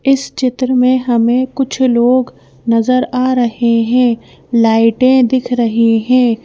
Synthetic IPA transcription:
ɪst͡ʃɪt̪ɾəmẽɦɐmẽkʊt͡ʃʰloːɡ | nɐzəɾaːɾɐɦeɦɛ̃ː | laːɪʈẽd̪ɪkʰɾɐɦeɦɛ̃ː

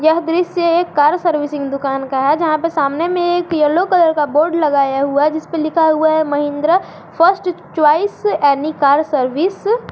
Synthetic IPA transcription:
jɐɦd̪ɾɪsjəekːaːɾsəɾʋɪsɪ̃ŋɡd̪ʊkaːnkaɦɛd͡ʒɐɦãpəɾsaːmnemẽeːkjɐlokələɾkaboːɾɖlɐɡaːjaɦuad͡ʒɪspəlɪkʰaɦuaɦɛmɐɦɪ̃nd̪ɾə | pʰəɾsʈt͡ʃwaːisɛːnikaːɾsəɾʋiːs

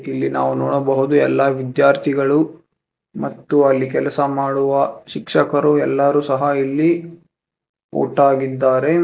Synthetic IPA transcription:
ilːinaːʋunoːɽɐbɐɦud̪uɛlːɐʋid̪jaːɾt̪ʰiɡɐɭu | mɐt̪ːuɐlːikɛlɐsɐmaːɽuʋɐʃikʂɐkɐɾuɛlːɐɾuːsɐɦɐilːi | ṵːʈaːɡid̪ːaːɾe̞

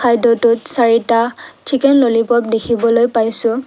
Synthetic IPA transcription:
kʰajdɔtʊtsaɹitat͡ʃʰikɛnlolipɔp̚dekʰibɔlojpajsʊ

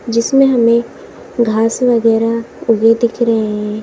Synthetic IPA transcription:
d͡ʒɪsmẽɦɐmẽ | ɡʱaːsʋəɣɛːɾaʊɡed̪ɪkʰɾɐɦeɦɛ̃ː

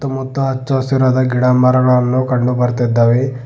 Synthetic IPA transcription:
t̪ːɐmut̪ːɐɦɐt͡ʃːɐsiɾɐd̪ɐɡiɽamɐɾɐɡɐɭɐnːukɐɳɖubɐɾt̪id̪ːɐʋe

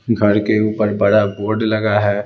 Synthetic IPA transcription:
ɡʱɐɾkeuːpəɾbɐɽaboːɾɖlɐɡaɦɛː

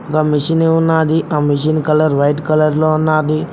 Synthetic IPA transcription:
kamiʂineːunːaːd̪iʔaːmiʃ̬inkɐlɐɾʋɐjʈkɐlɐɾloːunːaːd̪i

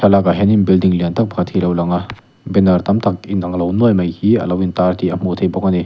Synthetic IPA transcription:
salakɐɦeninbildiŋlentʰɐk̚bʰʱatʰilɐwlɐŋa | benɐɾtɐmtʰɐk̚inɐŋlɐwnojmɐjhiɐ̰lɐwintaɾtiɐmutʰejbɔkɐni

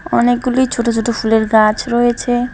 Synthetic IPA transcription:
ɔnek̚ɡulojt͡ɕʰoʈot͡ɕʰoʈofʰuleɾɡat͡ɕʰɾɔet͡ɕʰe

